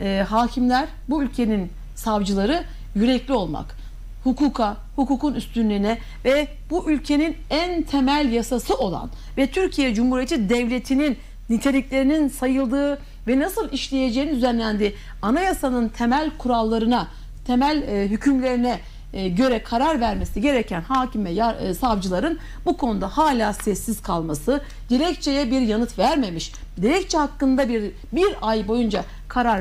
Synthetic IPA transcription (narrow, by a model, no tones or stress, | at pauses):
ɛɦaːcʰimlʲæɾ̥ | buylʲcʰe̞nin | savd͡ʒɯlˠaɾɯ | jyɾɛclʲio̞lˠma̰k | hukʰuːkʰa | hukuːkunyst̪ʰynlːʲiinɛ | vɛ | buʔylʲcʰe̞ninænt̪ʰe̞mælʲjasasɯo̞lˠa̰n | vɛt̪ʰyɾcʰijɛd͡ʒumhuɾijet̪ʰid̪ɛvlʲe̞t̪ʰininː | it̪ʰelʲiclʲe̞ɾininsajɯlˠd̪ɯː | vɛnasɯlˠiʃlʲejed͡ʒeːnd̪yzænlʲænd̪iː | anajasanɯnt̪ʰe̞mælʲkʰuɾalˠːaɾɯna | t̪ʰemælʲɦycʰymlʲe̞ɾinɛ | ɟø̞ɾɛkʰaɾaɾvæɾme̞siɟe̞ɾecʰænhaːcimvɛjasavd͡ʒɯlˠaɾɯn | bukʰo̞nud̪ahaːlʲaːsɛsːiz̥kʰalˠmasɯ | d̪̥iɾɛct͡ʃʰejɛbiɾjanɯt̪væɾme̞miʃ | d̪iɾɛc̚t͡ʃʰɛhakːɯnd̪abiɾ | biɾajbo̞jund͡ʒa | kʰaɾaɾ